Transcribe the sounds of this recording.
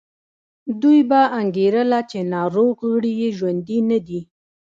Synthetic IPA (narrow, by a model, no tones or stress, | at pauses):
d̪ujbaaŋɡeɾəlat͡ʃenɑɾoɣəɽijeʒwand̪inad̪i